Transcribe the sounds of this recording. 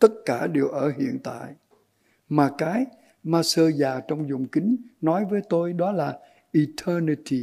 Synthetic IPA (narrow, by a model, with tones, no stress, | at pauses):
t̪ə˦˥t̚kaː˧˩ɗe˨˩wʔəː˧˩hḭ˧˨ənt̪a̰ː˧˨j | maː˨˩kaː˨˦j | maː˧səː˧zaː˨˩t͡ɕɔ˧wŋ͡mzʊ˨˩ŋ͡mkï˨˦ŋ̟nɔ˨˦jvəː˨˦jt̪o˧jɗɔ˨˦laː˨˩ | ʔi˨˩t̪ʰəː˧ni˧t̪i˨